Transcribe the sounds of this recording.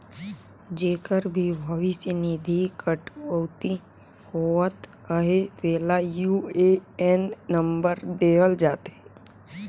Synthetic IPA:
d͡ʒeːkəɾbʱibʱəʋisnid̪ʱikəʈəwt̪i | hoət̪ | əɦet̪eːlajueenːəmbəɾd̪eːəld͡ʒaːt̪e

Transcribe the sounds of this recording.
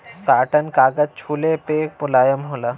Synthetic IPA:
saːʈənkaːɡəd͡ʒt͡ʃʰuːlepeːk̚pʊlaːjəmɦolaː

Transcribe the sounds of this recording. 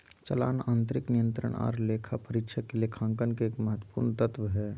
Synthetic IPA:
t͡ʃəla̰ːnaːnt̪̬ɾɪknijə̃nt̪ɾə̰ɳ̃a̰ːɾleːkʰapəɾɪkʃʰəkːelekʰãːŋkənkeeːkmɐɦət̪wə̥puːɾnt̪ət̪ʋəɦɛː

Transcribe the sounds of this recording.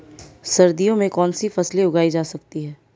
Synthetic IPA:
sɐɾd̪ijõmẽkɔːnsifɐsleʊɡaːid͡ʒaːsɐkt̪iɦɛː

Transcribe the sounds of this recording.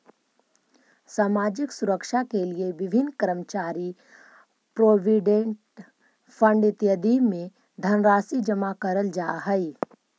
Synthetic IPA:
saːmaːd͡ʒɪksʊɾəkʃakelieʋɪbʱɪnːkəɾəmt͡ʃaːɾi | pɾoːʋɪɖẽɳʈ | fʰə̃ɳɖɪt̪jəd̪imẽ | d̪ʱənɾaːsid͡ʒɐmakɐɾəld͡ʒaːɦɛi

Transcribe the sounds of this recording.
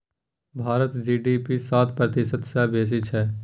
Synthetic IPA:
bʱaːɾət̪d͡ʒiːɖiːpisaːt̪ʰpɾət̪ɪsət̪sɛːbeːs̬ɪt͡ʃʰɛː

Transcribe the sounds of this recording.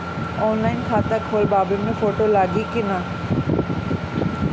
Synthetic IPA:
ɔːnlaːɪnkʰaːt̪akʰoːlbaːbemẽfoːʈolaːɡikɪna

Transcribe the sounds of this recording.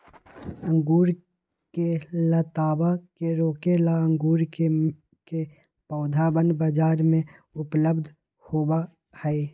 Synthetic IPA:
ə̃ŋɡuːɾ | kelat̪aːbakeɾoːkelaə̃ŋɡuːɾke | ke | pɔːd̪ʱabənbəd͡ʒaːɾmẽʊpləbd̪ʱ | hoːba | hɛe

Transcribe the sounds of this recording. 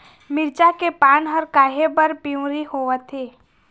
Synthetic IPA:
mɪɾt͡ʃakepaːnɦəɾkaːɦebəɾpiũɾihoːʋət̪ʰeː

